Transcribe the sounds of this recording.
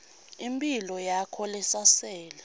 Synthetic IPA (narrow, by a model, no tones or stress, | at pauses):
impʼilɔjakʰɔlɛsasɛːlɛ